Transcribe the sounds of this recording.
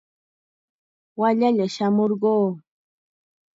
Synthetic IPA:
waʎaʎaʃamoɾɢoː

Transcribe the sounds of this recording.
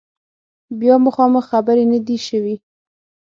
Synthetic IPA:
bjɑməxɑməxːabəɾenad̪iʃəwi

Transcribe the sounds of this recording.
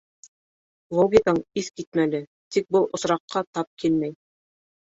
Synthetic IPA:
lˠoɡʲikɑɴiθkit̪̚mælɘ | t̪ik̚bɤlˠʔŏsɾɑqːɑt̪ɑp̚kʰilmæj

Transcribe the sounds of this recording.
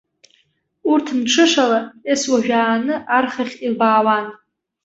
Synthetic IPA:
urtʰmʈ͡ʂʰɨʂalaeswaʒᶣaːnɨʔarχaχʲilbaːwan

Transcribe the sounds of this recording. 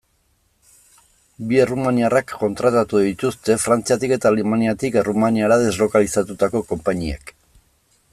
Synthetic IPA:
bie̞rumaniarakːo̞nt̪ɾat̪at̪uðit̪ust̪e̞fɾant͡siat̪ike̞t̪aːlemaniat̪ike̞rumaniaɾaðe̞zlo̞kalisat̪ut̪ako̞ko̞mpaɲiḛk

